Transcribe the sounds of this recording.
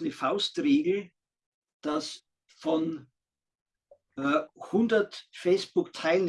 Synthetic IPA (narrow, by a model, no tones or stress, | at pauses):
nəfaʊstʁeːɡl̩ | d̥as | fɔn | hʊndɐtfeɪspʊktʰaɪln